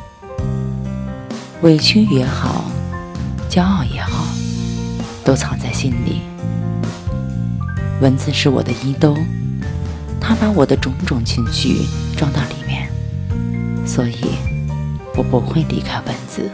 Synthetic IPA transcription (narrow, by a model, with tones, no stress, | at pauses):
we˧˥ɪt͡ɕʰy˥njɛ˧˥xɑ˨˩˦ʊ | t͡ɕjɑ˥ʊɑ˥˩ʊjɛ˧˥xɑ˨˩˦ʊ | t̪o˥ʊt͡sʰɑ˨˩ŋt͡sa˥˩ɪɕi˥nlḭ˨˩˦ | wə˧˥nt͡sɹ̩˧ʂɻ̩˥˩wɔ̰˨˩d̪ə˦i˥t̪o˥ʊ | t̪ʰa˥pa˧˥wɔ˨˩d̪ə˦ʈ͡ʂʊ˧˥ŋʈ͡ʂʊ˨˩ŋt͡ɕʰi˧˥ŋɕy̰˥˩ʈ͡ʂwɑ˥˧ŋt̪a˥˩li˨˩mjɛ̰˥˩n | swɔ˧˥ḭ˨˩ | wɔ˨˩pu˧˥xwe˥˩ɪlḭ˧˥kʰa˥ɪwə˧˥nt͡sɹ̩˨˩